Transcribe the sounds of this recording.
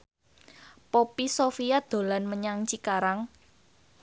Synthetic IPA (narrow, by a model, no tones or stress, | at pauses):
popisofiad̪̥o̤lanməɲaŋt͡ʃikaɾaŋ